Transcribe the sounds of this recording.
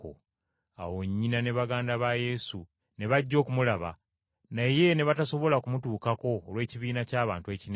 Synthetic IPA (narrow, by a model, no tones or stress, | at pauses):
o̰ | a̰wo̞ɲːinane̞βaɡaːndaβaje̞ːsu | ne̞βaɟːo̞ːkumulaβa̰ | naje̞ne̞βataso̞βo̞lakumutuːkako̞ːlwe̞ːciβiːnacaːβaːntue̞ːcin